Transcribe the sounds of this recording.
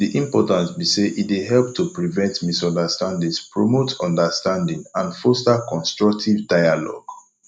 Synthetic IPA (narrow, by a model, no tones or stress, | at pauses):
diʔĩmpɔtãntbiseʔitweɦɛlp̚tʰupɹivɛ̃ntmisɔ̃ndəstãndĩŋspɹɔmotʰɔ̃ndəstãndĩŋãnfɔstakɔ̃nstɹɔk̚tʰivdaɪjalɔ̰ɡ̥